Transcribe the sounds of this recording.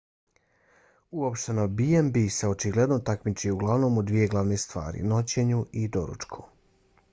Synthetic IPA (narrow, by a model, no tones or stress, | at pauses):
uopʃt̪e̞nobiembiseo̞t͡ʃiɡle̞d̪no̞t̪akmit͡ʃiuɡlˠaʋno̞ːmod̪ʋije̞ɡlˠaʋne̞st̪ʋa̰ːɾḭno̞t͡ɕe̞ɲuid̪oɾṵt͡ʃkʰu̥